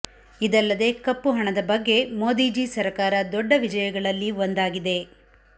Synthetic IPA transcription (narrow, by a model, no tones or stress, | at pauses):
id̪ɐlːɐd̪e̞ːkɐpːuɦɐɳɐd̪ɐbɐɡːe̞moːd̪iːd͡ʒisɐɾkaːɾɐd̪ɔɖːɐʋid͡ʒɐjɐɡɐɭɐlːiʋond̪aːɡid̪e̞